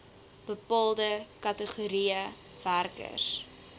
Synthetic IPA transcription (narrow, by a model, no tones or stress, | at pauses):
b̥əpɑːlˠdəkɐtəχuɾiə | værkə̰rs